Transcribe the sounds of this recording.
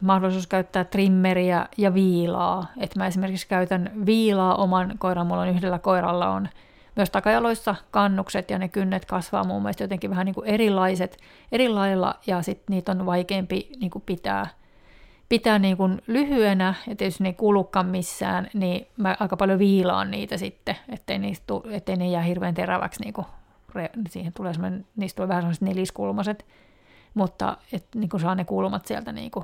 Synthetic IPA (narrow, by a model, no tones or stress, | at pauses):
mɑhdolˑisuːskæyt̪ːæːt̪rimːeriæjɑʋiːlɑ̰ːet̪mæesimerkikskæyt̪ænʋiːlɑːʔomɑnkoirɑmːulːonyhdelːækoirɑ̰lːɑ̰o̰n | myøst̪ɑkɑjɑloisːɑkɑnːukset̪jɑnekynːet̪kɑsʋɑ̰ːmṵmːḛlst̪jot̪eŋkiʋæhæniŋkuerilɑiset̪ | eɾilːɑilːɑ̰jɑsit̪niːt̪onʋɑikeːmpiniːŋkupit̪æ̰ː | pit̪æːniːŋkunlyhyenæet̪t̪ːiejysnːeikuːlːˑukːɑmmisːæ̰ːnnimæʔɑikɑpɑljoʋiːlɑ̰ːnniːt̪æsit̪ːeet̪ːeiniːstt̪uet̪ːeinejæːhirʋeːnt̪eræʋæ̰ksnḭːŋku | rensiːhent̪uleːsemoneniːst̪ulːʋæhæsemoset̪neliskulmɑset̪ | mut̪ːɑ̰et̪niːŋkunsɑːnekulmɑt̪siæ̰lt̪ænḭːŋku